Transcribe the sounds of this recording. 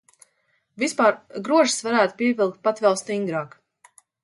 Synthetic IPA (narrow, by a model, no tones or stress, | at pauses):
vispaːɾɡɾuɔʒi̥svaɾæːt̪u̥piɛvʲilˠk̚t̪̚pat̪vɛlˠst̪iŋɡɾaːk